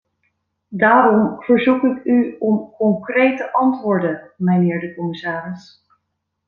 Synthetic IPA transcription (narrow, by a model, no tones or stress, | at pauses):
daːɾɔmv̥əɹzukɪkyɔmkɔŋkrejtəʔɑntʋʊːɹdəmənɪːɹdəkɔmɪsaːrɪs